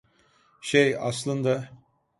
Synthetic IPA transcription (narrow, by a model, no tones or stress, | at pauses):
ʃejɑ̰slˠɯnd̪a